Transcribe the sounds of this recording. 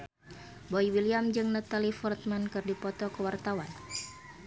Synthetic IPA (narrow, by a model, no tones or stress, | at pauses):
bɔiwiliamd͡ʒɨŋnat̪alifɔrt̪̚mankɨrdipɔt̪ɔkəwart̪awan